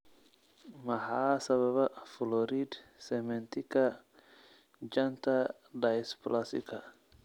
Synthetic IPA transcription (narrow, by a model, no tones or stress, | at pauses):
mɐhaːsɐβɐβafulɔɾid̪sɛmɛnt̪ika | d͡ʒant̪ʰa | dasplasḭkʰa